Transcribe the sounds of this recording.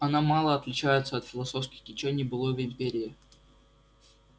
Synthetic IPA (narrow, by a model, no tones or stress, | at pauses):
ɐnamalˠəɐt̪lʲɪt͡ɕæjɪt̪səɐt̪fʲɪlˠɐso̞fskʲɪxkʲɪt͡ɕenʲɪjbɨlˠovʲɪɪmpʲeɾʲɪː